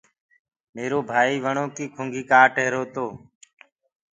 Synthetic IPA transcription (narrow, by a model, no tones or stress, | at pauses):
meːɾoːbʱaːiːʋəɳoːk̪iːkʰʊŋɡiːkaːʈeɦɾoːt̪oː